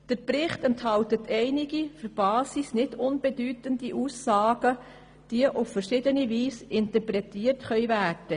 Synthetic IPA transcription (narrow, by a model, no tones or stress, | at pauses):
d̥əɾprɪχtɛnthɑltətʰɛɪnɪɡifyɾb̥ɑːsisnɪdʊnb̥ɛdyːtəndiʔuːsːɑːɡ̥ə | d̥iəʔʊffəɾʃɪːdəniviːsɪntəpɾɛtiːərtχœʏvæːrd̥ə